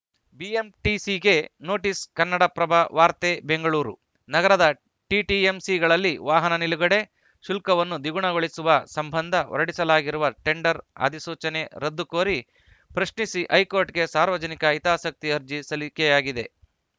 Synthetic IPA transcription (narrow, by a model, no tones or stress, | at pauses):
biemʈisiɡe̞no̞ːʈiskɐnːɐɽɐpɾɐbʱaʋaːɾt̪eːbe̞ŋɡɐɭuːɾṵ | nɐɡɐɾɐd̪ɐ | ʈiʈiemsiɡɐɭɐlːiʋaːɦɐnɐniluɡɐɽe̞ | ʃulkɐʋɐnːud̪iɡuɳɐɡoɭisuʋɐsɐmbʱɐnd̪ʱɐʔɔ̰ɾɐɽisɐlaːɡiɾuʋɐʈe̞ɳɖɐɾɐ̰d̪isuːt͡ʃɐne̞ɾɐd̪ːukoːɾi | pɾɐʃɳisiʔɐjkoːɾʈɡe̞saːɾʋɐd͡ʒɐnikɐit̪aːsɐk̚t̪iɐɾd͡ʒisɐlikejaːɡid̪e̞